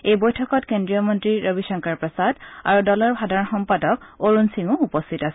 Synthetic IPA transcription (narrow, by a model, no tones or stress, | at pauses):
ejbojtʰɔkɔtkendɹijɔmɔntɹiɹobisɔŋkaɹpɹɔsada̰ɹudɔlɔɹbʱadʱaɹɔnxɔmpadɔkoɹunsiŋʊupɔstʰitasɛ